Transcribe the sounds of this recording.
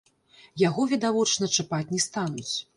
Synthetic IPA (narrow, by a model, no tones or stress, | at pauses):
jaɣɔvʲid̪avɔt͡ʂnɐt͡ʂɨpat͡sʲnʲɛst̪anut͡sʲ